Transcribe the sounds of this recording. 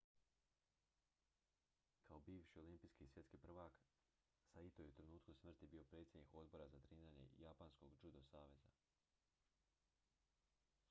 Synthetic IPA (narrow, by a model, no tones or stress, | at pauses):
kʰao̞biːʋʃio̞limpiːskiːsʋje̞t̪kipr̩ʋaːk | sait̪ojeut̪ɾenuːt̪kusmr̩t̪ibiːo̞pɾe̞ːt̪sje̞d̪niko̞d̪bo̞ɾazat̪ɾiːnaɲe̞̰japansko̞ɡd͡ʒud̪osaːʋe̞za̰